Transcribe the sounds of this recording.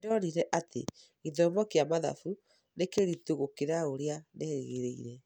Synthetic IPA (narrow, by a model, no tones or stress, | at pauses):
dɔniɾɛʔatʰḛ | iðɔmɔkeamaða̰fu | nekeɾituɣokeɾaoɾeaneheɣeɾeiɾɛ